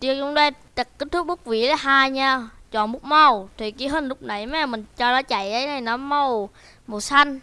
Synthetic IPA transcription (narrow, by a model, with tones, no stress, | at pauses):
t͡ɕi˧ət͡ɕʊ˧˦ŋ͡mɗa˧ | t̪ə˨˩k̚kːi˦˥t̚t̪ʰʊ˦˥k͡p̚ɓu˦˥k͡p̚vḭ˧˨əla˨˦ɦaː˧jɲaː˧˩t͡ɕɔ̰˧˨nmu˦˥k͡p̚mə˧˩wt̪ʰi˨˩ki˨˧˦ɦə˧˩nlʊ˦˥k͡p̚na˧˨˩jmɛ˧˦mï˨˩ŋ̟t͡ɕɔ˧nɔ˨˦t͡ɕa̰˧˨jʔə˨˦jnʰə˨˩jnɔ˨˦mə˧˩w | mo˨˩sa˧jŋ̟